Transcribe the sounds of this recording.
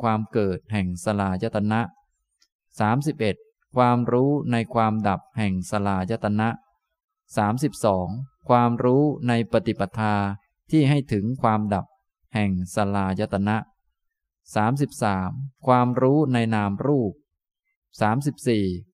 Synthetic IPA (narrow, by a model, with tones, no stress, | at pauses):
kʰwaː˧mkɤː˨˩t̪̚hɛ˨˩ŋsa˧laː˧˩ja˦˥t̪ʰːa˧na˦˥ʔ | saː˩˦msi˨˩p̚ʔe˨˩t̪̚ | kʰwaː˧mɾuː˦˥na˧jkʰwaː˧mda˨˩p̚hɛ˨˩ŋsa˧laː˧˩ja˦˥t̪ːa˧na˦˥ʔ | saː˩˦msi˨˩p̚sɔː˩˦ŋkʰwaː˧mɾuː˦˥na˧jpɾa˧t̪i˨˩pa˧˩t̪ʰːaː˧ | t̪ʰiː˥˩ɦa˥˩jt̪ʰɯ˩˦ŋkʰwaː˧mda˨˩p̚ | hɛ˨˩ŋsa˧laː˧ja˦˥t̪ʰːa˧na˦˥ʔ | saː˩˦msi˨˩p̚saː˩˦mkʰwaː˧mɾuː˦˥na˧jnaː˧mɾuː˥˩p̚ | saː˩˦msi˨˩p̚siː˨˩